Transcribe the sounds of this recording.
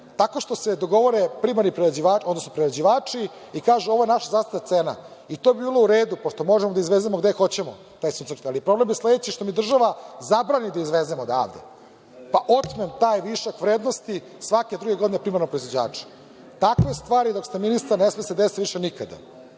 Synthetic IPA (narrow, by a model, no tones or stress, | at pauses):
t̪ako̞ʃt̪o̞sed̪o̞ɡo̞ʋo̞ɾepɾimaɾnipɾeɾed͡ʑiʋaːo̞d̪nosno̞pɾiɾed͡ʑiʋaːt͡ʂi | ikaːʒuoʋoje̞naʃazaːst̪it̪at̪seːna̰it̪o̞ːbibiːlˠouɾeːd̪upoʃt̪o̞mo̞ʒemod̪aizʋezemoɡd̪exo̞t͡ɕemo | t̪aːjsusaɾk̪alipɾo̞blemjesle̞d̪et͡ɕiʃt̪o̞mid̪r̩ʒaʋazabɾanid̪aizʋezemod̪a̰ʋd̪ḛ | paʔo̞t̪memt̪aːjʋiʃakʋɾeːd̪nost̪i | sʋaked̪ɾuɡe̞ɡd̪inepɾimaɾnopɾoizʋod͡ʑa̰ːt͡ʂe̥ | t̪akʋest̪ʋaːɾid̪o̞kst̪eminist̪aɾnesmesed̪esiʋiʃenikad̪a̰